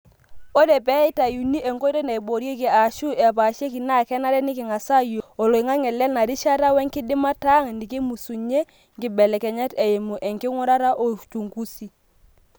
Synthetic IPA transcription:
o˦ɾɛ˨pɛ˦ɪ˦ta˨ju˨ni˦ʔe˨ŋko˦ɾe˦na˨i˨bo˨ɾje˦ki˨a˨ʃu˦ʔɛ˨pa˨ʃe˦ki˨na˦˨kɛ˦na˦ɾɛ˦nɪ˦kɪ˨ŋa˨sa˦jo˨lo˨i˨ŋa˦ŋɛ˨lɛ˦lna˨ɾi˦ʃa˦ta˦wɛ˦ŋkɪ˦dɪ˦ma˦ta˦ŋni˨ke˦mu˨su˨ɲe˦ | ŋkɪ˨bɛ˨lɛ˨kɛ˨ɲɛ˦tɛ˨je˨mu˨ʔɛ˨ŋkɪ˦ŋu˦ɾa˦ɾa˦ʔo˨t͡ʃu˨ŋku˦si˦

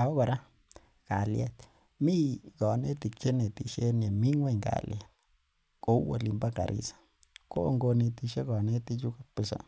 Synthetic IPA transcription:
a˨o˦βa˧ɾa˦ | ɡ̥a˨lja˦t̪ | mĩ˦ɡɔ˨ne˦t̪i˧kt͡ʃe˦nẽ˧t̪i˧ʃe˦n˧e˨mĩ˦ŋwe˦˧˨ŋɡa̰˨lja˨ | ko˧˦wa̰˧li˧mba˦ka̰˨ɾʔḭ˧sḁ˦ | ko˦ʔo˧ŋɡo˧nĩ˧t̪i˧ʃe˦ɡɔ˨nẽ˦t̪i˧t͡ʃu˦ka˦pɨ˧sa̰˧

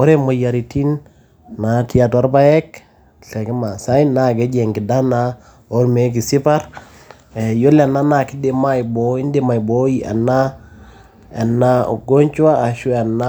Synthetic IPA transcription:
o˦ɾe˦mo˨jaɾi˨ti˦nː | ati˦atwa˦ɾba˦je˦k | ɬe˨kɛ˦ma˨sa˦inːaɡe˦ɟeŋki˨da˦na | o˦ɾme˦k̬i˨si˦paɾ | jo˦la˨nːa˦naki˦dema˦jboi˦nde˦ma˨ji˨bojia̰˨nːa˦ | e˨nːao̰˨ɡo˦ɲt͡ʃu˦aː˦˨ʃu˦a˨nːa

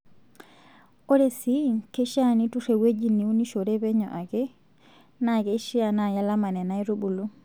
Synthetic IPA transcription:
o˦ɾe˨si˦ke˦ʃa˦ni˦tu˦re˨we˦d͡ʒi˦ni˨u˦ni˦ʃo˨ɾɛ˦pɛ˦ɲɔ̰˨ʔa˨ke˦ | na˨ke˦ʃi˦a˨na˨ja˦la˦ma˨nɛ˨na˦i˦ɾu˦bu˨lu˦

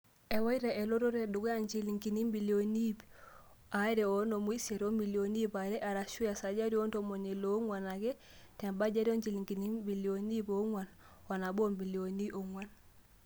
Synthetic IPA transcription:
ɛ˨wa˦jɾɛ˨ʔɛ˨lo˦ɾo˦ɾɛ˨du˨kɔ˦a˦ɲt͡ʃi˦liŋki˨ni˦mbi˨lio˨ni˦p | aɾɛo˦no˨mu˦i˦sɛ˨ɾo˦mi˨ljo˨ni˦pa˨ɾɛ˦ʔa˨ɾa˨ʃu˦ja˨sa˨d͡ʒa˦ɾi˦o˦ntomo˨ɲe˨lo˦ŋwa˨na˨kɛ˦ | tɛ˨mba˦d͡ʒa˦ɾi˦o˦ɲd͡ʒi˨li˨ŋki˨ni˦mbi˨ljoni˦po˦ŋwa˨n | wa˨na˨bo˦mbi˨ljoni˦ʔo˨ŋwa˦n

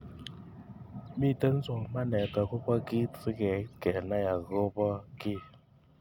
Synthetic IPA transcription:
mi˦˨tə˦n̩˦zɔ˨ma˦nɛ˨ka˨ɣo˦pɔ˦ɡi˦˨fi˦kɛ˨kɛ˨na˦ja˨ɣo˦pɔ˦ki˦

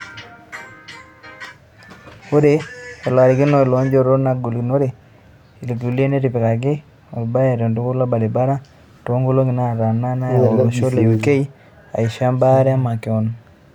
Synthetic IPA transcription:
o˦ɾe˨˦ɛ˨lwa˨ɾɪ˨ɡɪ˦no˦ɪ˨lo˨˦ɲd͡ʒo˦ɾo˦na˦ɡu˨lɡi˨no˦ɾe˨ | i˨lɡu˨li˦e˦ne˦ɾɪ˨pɪ˨ka˨ɡɪ˦ | ɔ̰˨lba˦ja˨ɾo˨ndu˦kʊ˦la˦ba˨de˨ba˦ɾa˦ | to˦ŋɡo˦lo˦ŋɡɪ˨na˦˨ɾa˨na˦na˦o˨o˨ʃo˦le˨u˨ke˦i˦ | a̰˨i˨ʃa˦mba˦ɾɛ˦a˦ma˨kɪ˨ɔ˨n

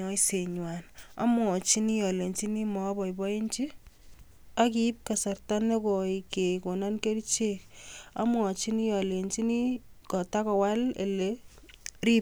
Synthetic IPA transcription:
ɔ˦i˦se˨ɲwa˨na̰˦m˦ɔ˨t͡ʃi˦ni˦jɔ˨le˨ɲt͡ʃi˦ni˦mɔ˦bɔ˨i˨bɔ˦i˦ɲt͡ʃi˦ | a˦ki˦p̚ka˨sa˨rta˦ne˦ko˨i˨ke˨ko˨na˦nke˦ɾi˦t͡ʃe˦ka̰˦m˦ɔ˨t͡ʃi˦ni˦jɔ˨le˨nt͡ʃi˦ni˦kɔ˨ta˦kɔ˨wa˦lḛ˨le˦ | ɾi˦p̚

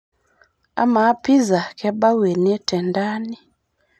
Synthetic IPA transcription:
a̰˦ma˨˦pi˦za˨kɛ˦ɓa˦wɛ˨nɛ˦tɛ˨nda˦ni˦

